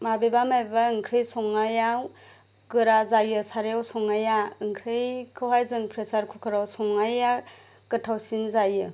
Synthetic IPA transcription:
mabebamajbbaɯŋkʰɾɯjsɔŋajaw | ɡɯɾazajɯsaɾejawsɔŋajaɯŋkʰɾɯjkʰɯwɦajzɯŋpʰɾesaɾkʰukʰɯɾawsɔŋaja | kɯtʰawsinzajɯ

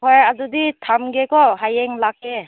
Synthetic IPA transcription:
ɔjazuditʰamɡekɔɦajeŋlake

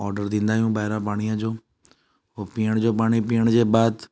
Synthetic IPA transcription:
ɔːɾɖəɾd̪ĩːnd̪aːijũbaːɦɪɾãpaːɽ̃ijãd͡ʑoː | oːpiːjəɽ̃d͡ʑoːpaːɽ̃ipiːəɽ̃d͡ʑeːbaːd̪

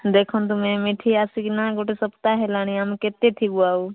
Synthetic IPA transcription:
d̪eːkʰont̪̬ʊmẽmɪʈʰiaːsikinaɡoːʈesəpt̪aɦɛlaːɽ̃iamket̪et̪ʰibuaːu

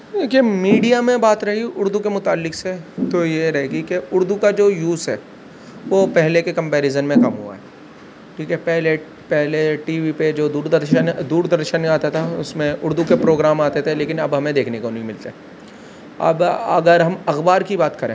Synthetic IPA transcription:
d̪eːkiemiːɖijamẽbaːt̪ɾɐɦiʊɾd̪ukemʊt̪aːlːɪkset̪ojeɾɐɦeːɡikeʊɾd̪ukad͡ʒoːjuːzɦɛː | ʋopɛɦlekekɐ̃mpɛːɾɪzənmẽkɐmɦṵa̰ɦɛː | ʈʰiːkɛpɛɦle | pɛɦleʈiːʋiped͡ʒoːd̪uːɾd̪əɾʃənd̪uːɾd̪ɐɾʃənaːt̪at̪ʰaʊsmẽʔʊɾd̪ukepɾoːɡɾaːmaːt̪et̪ʰeleːkɪnɐbɦɐmẽd̪eːkʰnekonĩmɪlt̪aɦɛ | ɐ̰bɐ̰ɡəɾɦɐmɐxbaːɾkibaːt̪kɐɾḛ̃ː

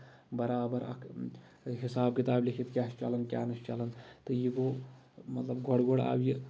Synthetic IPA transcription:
bɐɾaːbɐɾɐ̰kʰ | ɦisaːb̚kit̪aːblikʰit̪kʲaːʃt͡ʃɐlɐnkʲaːnɨst͡ʃɐlɐnt̪ɨjiɡoː | mɐt̪lɐbɡʱɔɽɡoɽa̰ːbji

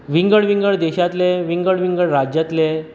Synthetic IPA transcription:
ʋiŋɡəɭʋĩŋɡəɭd̪eɕat̪leʋiŋɡəɽʋiŋɡəɭɾad͡ʑjat̪le

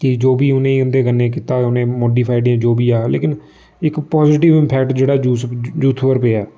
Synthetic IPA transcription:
kɪd͡ʒoːbiːʊnẽːĩʊ̃nd̪eːɡənːẽːkɪt̪aːʊnẽːmɔːɖiːpʰaːɪɖiãːd͡ʒoːbiːaːlḛːkɪn | ɪkpɔːzɪːʈɪʋɪmpʰɛːkʈd͡ʒeːɽaːd͡ʒuːsd͡ʒuːt̪ʰʋəɾpeːaː

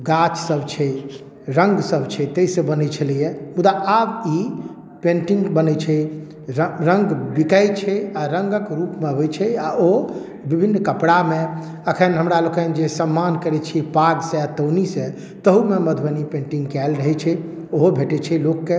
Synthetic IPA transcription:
ɡat͡ʃsəbt͡ʃʰɛ | ɾəŋɡsəbt͡ʃʰɛt̪eisə̃bənɛt͡ʃʰəlijɛmud̪aʔabi | pẽɳʈiŋɡbənɛt͡ʃʰɛ | əɾəŋɡbikəjt͡ʃʰɛaɾəŋɡəkɾupmeɦojt͡ʃʰɛao | bibʱinːkəpɽame | əkʰənɦəmɾalokənd͡ʒesəmːankəɾɛt͡ʃʰipaɡsẽat̪əwnisẽ | t̪əɦumeməd̪ʱbənipẽɳʈĩŋɡkɛlɾəɦɛt͡ʃʰɛ | oɦobʱeʈɛt͡ʃʰɛlokːe

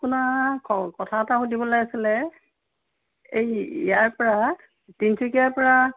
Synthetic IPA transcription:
kunakɔkɔtʰataxudibɔlajasilɛ | ejḭjaɹpɔɹa | tintʰikijaɹpɔɹa

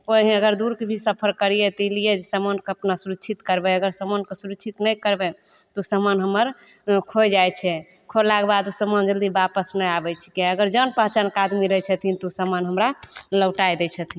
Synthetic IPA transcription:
koɦəɡəɾd̪uɾkebʱisəpʰəɾkəɾijet̪ilied͡ʒesəmənkeəpnasuɾəkt͡ʃʰit̪kəɾbɛəɡəɾsəmənkesuɾəkːt͡ʃʰit̪nəjkəɾbet̪osəmənɦəmːəɾ | kʰojd͡ʒajt͡ʃʰɛ | kʰolaɡebad̪usəmənd͡ʒəld̪ibapəsnəjabɛt͡ʃʰi̥keəɡəɾd͡ʒənpəɦt͡ʃənkad̪miɾəjt͡ʃʰət̪ʰint̪osəmənɦəmɾaləwʈajd̪ɛt͡ʃʰət̪ʰin

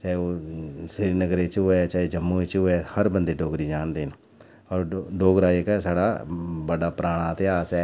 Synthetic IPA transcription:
t͡ʃaːeoːsɪɾiːnəɡɾeːt͡ʃɦʊɛːt͡ʃaːeːd͡ʒəmːõːit͡ʃɦʊɛːhəɾbənd̪eːɖoːɡɾiːd͡ʒaːnd̪eːnː | ɔːɾɖoːɡɾaːekɛsaːɽaːbəɖaːpɾaːɽ̃aːt̪eaːsɛː

